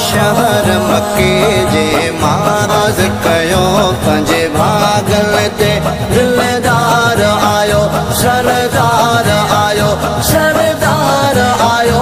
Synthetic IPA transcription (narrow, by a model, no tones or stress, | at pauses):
ʃɐɦəɾmɐked͡ʑeːmaːɾaːzkɐjopɐ̃ɦɲd͡ʒebʱaːɡəlet̪e | d̪ɪld̪aːɾaːjoːʃɐɾd̪aɾaːjoː | ʃɐɾəd̪aːɾaːjoː